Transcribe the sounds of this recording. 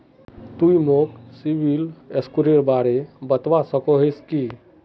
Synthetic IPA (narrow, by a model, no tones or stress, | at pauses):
t̪uimoksiʋileskuɾeɾbaɽebət̪ʋasəkoɦeskiː